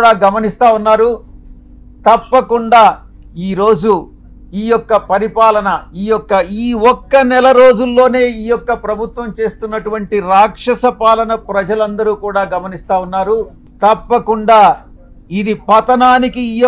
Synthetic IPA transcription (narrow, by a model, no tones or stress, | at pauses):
ɽaːɡɐmɐnist̪aːunːaːɾu | t̪ɐpːɐkuɳɖaː | iːɾo̞ːd͡ʒu | iːjɔkːɐpɐɾipaːlɐnɐiːjɔkːɐiːɔkːɐnɛlɐɾo̞ːd͡ʒulːo̞ːne̞ːiːjɔkːɐpɾɐbʱut̪ʋɐmt͡ʃe̞ːst̪unːɐʈuʋɐɳʈiɾaːkʂɐsɐpaːlɐnɐpɾɐd͡ʒɐlɐnd̪ɐɾuːkuːɽaːɡɐmɐnist̪aːunːaːɾu | t̪ɐpːɐkuɳɖaː | id̪ipɐt̪ɐnaːnikiːj